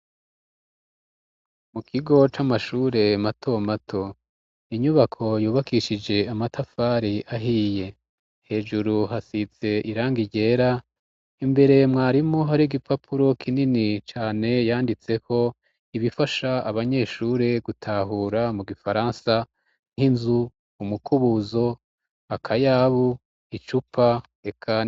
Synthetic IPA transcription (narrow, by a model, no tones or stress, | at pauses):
mukʰiɡo̞t͡ʃamaʃuːɾe̞matʰomatʰo̞ | iɲuβakʰo̞juːβakʰiʃid͡ʒe̞amatʰafaːɾiʔaɦiːje̞ | he̞ːd͡ʒuɾuɦasit͡se̞ʔiɾaːŋɡiɟe̞ːɾa | imbe̞ɾe̞mŋaːɾimoɦaɾiɡipʰapʰuɾo̞kʰininit͡ʃaːne̞jaːndit͡se̞kʰo̞ | iβifaʃaaβaɲe̞ːʃuːɾeɡutʰaːɦuːɾamuɡifaɾaːnsa | ŋ̥hinzuː | mukuβuzo̞ | akʰajaβu | it͡ʃupʰa | e̞kʰa